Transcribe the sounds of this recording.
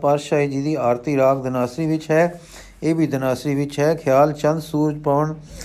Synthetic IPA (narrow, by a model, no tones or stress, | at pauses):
paːɾʃaːiːd͡ʒiːd̪iːaːɾt̪iːɾaːkd̪ənaːsɾiːʋɪt͡ʃɦɛː | eːbʱiːd̪ənaːsɾiːʋɪt͡ʃɦɛːkʰjaːlt͡ʃənd̪suːɾd͡ʒpaʋəɳ